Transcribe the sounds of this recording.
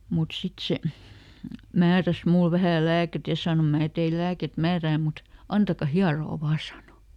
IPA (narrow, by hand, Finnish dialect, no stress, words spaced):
mut sit se mæːræs mul ʋæhæˑ læːket jɑ sɑˑno mæː teil læːket mæːræː mut ɑntɑkɑ hiɑroː ʋɑː sɑˑno